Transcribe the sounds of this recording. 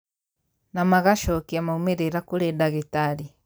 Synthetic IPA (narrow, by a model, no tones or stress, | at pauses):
namaɣaʃɔkiamaumeɾeɾakoɾedaɣetaɾi